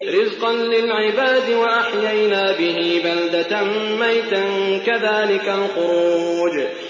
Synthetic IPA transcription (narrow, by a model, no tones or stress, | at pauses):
ɾɪzqɑnlɪlʕɪbaːd̪ɪwaʔaħjajnaːbɪɦiːbald̪at̪anmajt̪ankaðaːlɪkalxʊɾuuːd͡ʒ